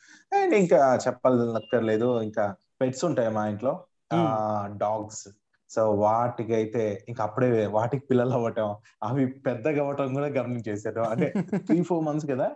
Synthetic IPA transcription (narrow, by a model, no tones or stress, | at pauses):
aeiŋkaːt͡ʃɛpːɐlɐkːɐɾle̞ːd̪uiŋkaː | peʈsuɳʈaːjɐmaːjiɳʈlo̞ː | ɖaːɡs | soːʋaːʈikɐjt̪e̞ːiŋkɐːpːuɽeːʋaːʈiki̥pilːɐlɐʋɐʈːa | ɐʋipɛd̪ːɐɡɐʋɐʈɐmkuːɽaːɡɐɾmɐnt͡ʃeːsaːɾuɐɳʈe̞t̪ɾiːpʰoːɾmɐns̬ɡɐd̪aː